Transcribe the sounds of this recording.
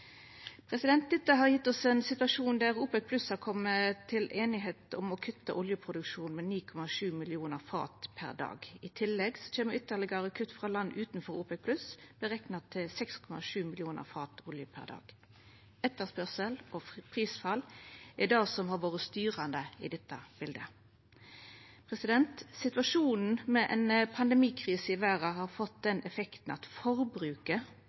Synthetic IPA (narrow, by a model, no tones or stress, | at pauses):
pʰʁɛsɪd̪ɛnt̪̚d̪ɪt̪ːɑɦɑʁjɪt̪ːɔsɛːnsɪt̪ʉɑʂuːnd̪æʁuːpɛk̚pʰlʉshɑʁkʰɔmːət̪ʰːɪlʔeːnɪɦeːt̪ɔmɔkʰʉt̪ːə̰ʔɔljəpʰʁʊd̪ʉkʃuːnmeːniːkʰɔmɑʂʉːmɪlɪuːnəʁfɑ̰ːt̪pʰæ̰ʁd̪ɑ̰ːɡɪt̪ʰɪlːɛɡsɔ̥t͡ʃʰeːməʏt̪ːəʁlɪɡɑʁəkʰʉt̪ːfʁɑlɑnːʉːt̪nfɔɾuːpɛpʰlʉsb̥əʁɛknɑt̪ʰːɪlsɛkskʰɔmɑ̰ʂʉːmɪlɪuːnə̰ʁfɑːt̪ɔljəpʰæ̰ʁd̪ɑ̰ːɡ̥ | ɛt̪ːəʁspœʁsəlɔpʰʁiːsfɑlɛd̪ɑːsɔmhɑʁʋoːʁəst̪yːʁɑnd̪əɪ̰d̪ɛt̪ːəb̥ɪld̪ə | pʰʁɛsɪd̪ɛnt̪sɪt̪ʋɑʂuːnn̩mɛʔɛnpʰɑnd̪ɛmiːkʰʁiːsəɪʋæːʁɑhɑːʁfɔt̪̚d̪ɛnɛfɛkt̪n̩ɑ̰t̪fɔʁbɾʉːkə